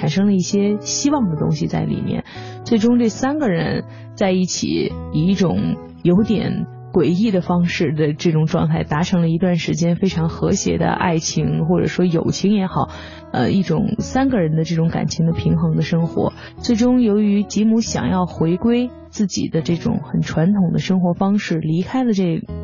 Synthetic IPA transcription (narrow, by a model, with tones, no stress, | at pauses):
ʈ͡ʂʰa˨˩nʂɤ˥ŋlə˧i˥˩ɕjɛ˥ɕi˥wɑ˥˩ŋd̪ə˩t̪ʊ̰˥ŋɕi˨t͡sa̰˥˩ɪlḭ˨˩mjɛ̰˥˩n | t͡swe˥˩ɪʈ͡ʂʊ˥ŋʈ͡ʂɤ˥˩sa˥nɡə˨ɻə˧˥n | t͡sa˥˧ɪi˥˩t͡ɕʰḭ˨˩˦i˨˩i˥˩ʈ͡ʂʊ˨˩˦ŋ | jo˧˥ʊt̪jɛ̰˨˩˦n | kwe˨˩ɪi˥˩d̪ə˩fɑ˥ŋʂɻ̩˥˩d̪ə˩ʈ͡ʂɤ˥˩ʈ͡ʂʊ˨˩ŋʈ͡ʂwɑ̰˥˧ŋt̪ʰa˥˩ɪt̪a˧˥ʈ͡ʂʰɤ˧˥ŋlə˧i˧t̪wa˥˩nʂɻ̩˧˥t͡ɕjɛ˥nfe˥ɪʈ͡ʂʰɑ˧˥ŋxɤ˧˥ɕjɛ̰˧˥d̪ə̰˧ʔa̰˥˩ɪt͡ɕʰi˧˥ŋxwɔ˥˩ʈ͡ʂɤ̰˨˩ʂwɔ˥jo˨˩ʊt͡ɕʰi˧˥ŋjɛ˧˥xɑ˨˩˦ʊ | ə̰˧i˥˩ʈ͡ʂʊ̰˨˩ŋsa˥nɡə˨ɻə˧˥nd̪ə˧ʈ͡ʂɤ˥˩ʈ͡ʂʊ˧˥ŋka̰˨˩nt͡ɕʰi˧˥ŋd̪ə˧pʰi˧˥ŋxɤ˧˥ŋd̪ə˧ʂɤ˥ŋxwɔ̰˧˥ | t͡swe˥˩ɪʈ͡ʂʊ˥ŋjo˧˥ʊy˧˥t͡ɕi˧˥mu˧˥ɕjɑ̰˨˩ŋjɑ˥˩ʊxwe˧˥ɪkwe˥ɪ | t͡sɹ̩˥˩t͡ɕḭ˨˩d̪ə˦ʈ͡ʂɤ˥˩ʈ͡ʂʊ̰˨˩˦ŋxə˨˩nʈ͡ʂʰwa˧˥nt̪ʰʊ˨˩ŋd̪ə˦ʂɤ˥ŋxwɔ˧˥fɑ˥ŋʂɻ̩˥˩li˧˥kʰa˥ɪlə˨ʈ͡ʂɤ˥˩ɡ